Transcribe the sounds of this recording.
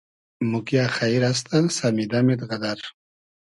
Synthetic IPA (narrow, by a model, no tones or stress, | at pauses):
mukjaxaiɾas̬t̪asamid̪amed̪ɣad̪aɾ